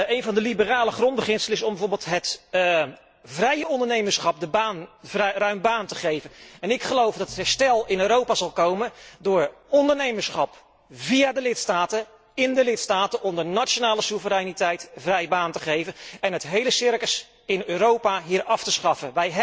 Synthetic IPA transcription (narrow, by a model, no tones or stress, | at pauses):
ejnvɑndəlibəraːləχrɔnd̚bəχɪnsələɪsɔmbəvoːɹbɪlˠtɦət | vrɛjəɔndəɹnejməɹsχɑp̚dəbaːnvrrœɥmbaːntəχejvənɛnɪkχəlowvdɑtətɦɛɹstɛlˠɪnøːɾowpaːzɑlˠkowməndʊːɹɔndəɹnejməɹsχɑp | viaːdəlɪtstaːtə | ɪndəlɪtstaːtənʔɔmdəɹnatt͡ʃonaːləsuvəɾɛjnitɛjtvrɛjbaːntəχejvənɛnɦətɦejləsɪɹkəs | ɪnøːɾowpaɦiːɹɑftəsχɑfənʋɛjɦ